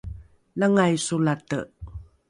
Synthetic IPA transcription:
laŋajsulatə̰

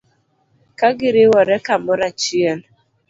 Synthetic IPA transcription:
kaɡɪɾɪwɔɾɛkam̩ʊɾat͡ʃiel

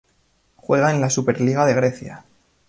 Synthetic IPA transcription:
xwe̞ɣ̞aenlasupe̞ɾliɣ̞aðe̞ɣɾe̞θja̰

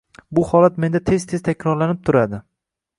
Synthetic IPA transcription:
bʊhɒlat̪me̞nd̪at̪ʰe̞zt̪ʰe̞zt̪ʰakʲɾɒɾlanɪp̚t̪ʰʊɾad̪ɪ

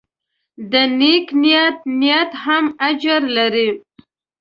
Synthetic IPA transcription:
d̪əneknijat̪̚nijat̪hamad͡ʒaɾlaɾi

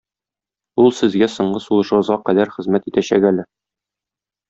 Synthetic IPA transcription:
ulˠsɘ̆zɡæsŏɴɢɤsulˠɤ̆ʃɤ̆ʁɤ̆zʁɑqæd̪æɾχɘ̆zmæt̪it̪æɕækælɘ

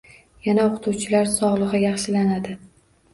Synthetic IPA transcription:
janaoqʰʊt̪ʰuwt͡ʃʰɪlaɾsɒʁlˠɨʁɨjɑχʃɪlanad̪ɪ

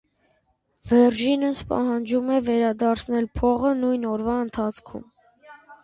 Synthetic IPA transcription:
vɛɾʒinəspɑ̰hɑnd͡ʒumɛvɛɾɑd̪ɑɾt͡sʰnɛlpʰɔʁənujnɔɾvɑənt̪ʰɑt͡sʰkʰṵm

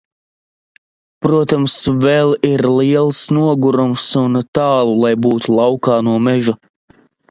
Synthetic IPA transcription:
pɾuɔt̪amsvɛlˠiɾliɛlˠsnuɔɡuɾumsunt̪aːlˠulˠajbuːt̪ulˠawkaːnuɔmɛʒu

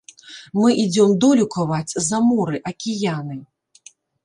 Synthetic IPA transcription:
mɨʔid͡zʲɔmd̪ɔlʲukɐvat͡sʲzɐmɔɾɨʔɐkʲijanɨ

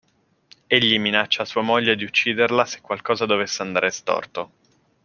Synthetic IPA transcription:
eʎːiminat͡ʃːaːsuːamoʎːed̪iut͡ʃːiːd̪erlase̥kːwalkɔːzad̪ovesːeand̪a̰ːɾest̪ɔ̰rt̪o

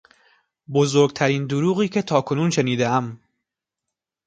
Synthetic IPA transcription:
bozoɾɡ̚t̪ʰæɾiːnd̪oɾuːɣiːcʰet̪ʰɒːkʰo̞nuːnʃe̞niːd̪eæm

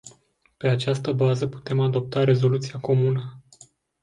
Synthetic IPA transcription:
pe̞at͡ʃast̪əbazəpu̥t̪e̞mad̪o̞p̚t̪aɾe̞zo̞lut̪siako̞munə

